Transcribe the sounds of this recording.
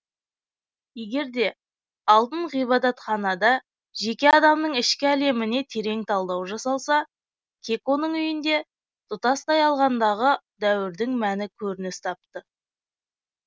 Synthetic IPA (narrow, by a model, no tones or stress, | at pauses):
je̞ɡʲe̞ɾd̪e̞ | ɑlˠt̪əɴʁijbɑd̪ɑt̪χɑnɑd̪ɑ | ʒe̞kʲe̞ɑd̪ɑmnəɴɪʃkʲɪæle̞mɪne̞t̪ʰe̞ɾe̞ŋt̪ʰɑlˠd̪ɑwʒɑsɑlˠsɑ | kʲʰe̞kʲo̞nəɴʏjɪnd̪e̞ | t̪ʊt̪ɑst̪ɑjɑlˠʁɑnd̪ɑʁə | d̪æwɪɾd̪ɪŋmænɪkʲʰɵɾɪnɪst̪ʰɑp̚t̪ə